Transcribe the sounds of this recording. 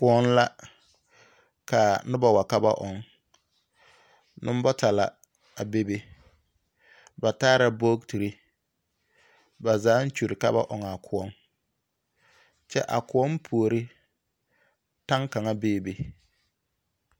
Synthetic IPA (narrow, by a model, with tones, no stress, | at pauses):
kʊ˨ɔ˦n˦la˦ | ka˨nɪ˦ba˨wa˨ka˦ba̰˦ʔɔ˨ŋ | nɪ˦m˦bɔ˦ta˨la̰˨ | a˨be˦be˦ | ba˨taː˦ɾa˨boː˦kti˨ɾi˦ | ba˨zaː˨˦n̩˦t͡ʃu˨ɾɪ˨ka̰˦ba̰˦ʔɔ˨ŋa˨kʰʊ˨ɔ˦ŋ | t͡ʃɛ̰˦ʔa̰˨kʊ˨ɔ˦mpʰu˨o˨ɾɪ˦ | ta˦ŋka˨ŋa˦beː˦˨be˨